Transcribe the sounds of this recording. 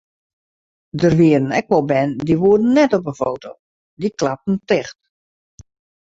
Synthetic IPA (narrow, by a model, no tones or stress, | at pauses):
dərʋiədən̩ɛk̚ʋɔlˠbɛndiʋuədn̩ːɛtɔpəfoːtʰow | diklap̚tn̩tɪxt